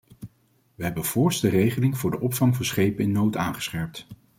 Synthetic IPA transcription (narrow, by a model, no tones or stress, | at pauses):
ʋəɦɛbənv̥ʊːɹstərejχəlɪŋvʊːɹdəʔɔpfɑŋvɑnsχejpəɪnːowtaːnχə̥sχɛɹp̚t